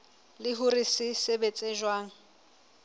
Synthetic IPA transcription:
lɪɦʊrisɪsebet͡sʼeʒwaːŋ̩

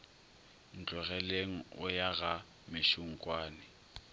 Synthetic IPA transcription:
n̩t͡ɬʼɛɣɛleŋ̩ʊ̰jaɣa | mɪʃʊŋ̩kʼwaːnɪ

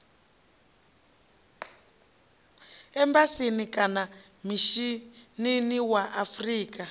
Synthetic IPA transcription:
ɛmbasinikʼana | miʃininiwaʔafriːkʼa

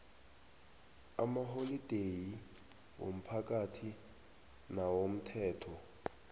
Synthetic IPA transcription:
amaɦolid̥ʱeji | wo̰m̩pʰak̬ʼatʰi | nawom̩tʰɛːtʰɔ

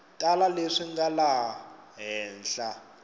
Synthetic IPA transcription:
tʼalaleʂiŋɡalaɦɛːnɬa

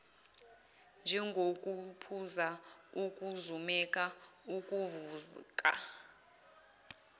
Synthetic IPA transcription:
nd͡ʒʱɛŋɡʱokʼupʰuzauk̬ʼuzumɛk̬ʼauk̬ʼuvuzk̬ʼa̰

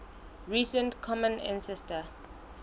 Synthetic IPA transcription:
ɹisə̃ntkʰɔmə̃nã̰nsɛstə

